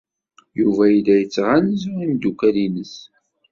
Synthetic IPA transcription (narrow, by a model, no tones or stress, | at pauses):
juvæjilæjət͡sːʁanzʊʁimd̪ukælinəs